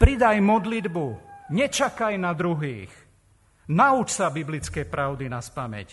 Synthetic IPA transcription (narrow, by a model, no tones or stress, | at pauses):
pɾid̪ajmɔd̪lid̪buɲɛt͡ʃakajnad̪ɾuɦiːx | naut͡ʃsabiblit͡skɛjpɾaʊd̪inaspamɛ̰c